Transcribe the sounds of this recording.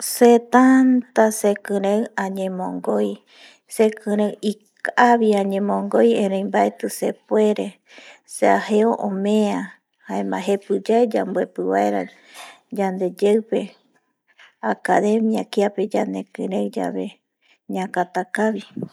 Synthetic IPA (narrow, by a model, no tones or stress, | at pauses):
set̪ant̪asekɨ̃ɾẽwãɲẽmõŋɡoj | sekʰɨ̃ɾ̃ẽwikaβiãɲẽmõŋɡo̞jẽɾ̃ẽjmbaet̪ɨsepweɾe̞ | seaheoʔõmẽã | haemã̰ɦe̞pɨd͡ʒaed͡ʒa̰mbue̞pɨβa̰eɾa̰ | d͡ʒand̪e̞d͡ʒewpe̞ | akaðe̞miakiape̞d͡ʒand̪e̞kɨ̃ɾẽwd͡ʒa̰βe̞ | ɲãkat̪akaβi